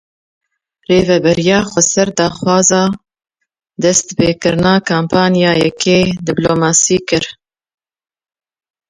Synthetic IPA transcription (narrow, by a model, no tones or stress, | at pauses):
reːvɛbɛɾijɑːxʷɛsɛɾd̪ɑːxwɑːzɑː | d̪ɛst̪peːkɨɾnɑːkʰaːmpʰɑːnijɑːjɛkʰeːd̪ɪbloːmɑːsiːkɨɾ